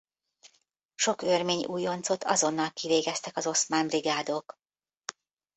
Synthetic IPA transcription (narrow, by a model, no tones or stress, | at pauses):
ʃo̞kørmeːɲṵːjo̞nt̪so̞t̪ʰɒ̰zo̞nːɒlkiveːɡɛst̪ɛkɒzo̞smaːmbriɡaːd̪oːk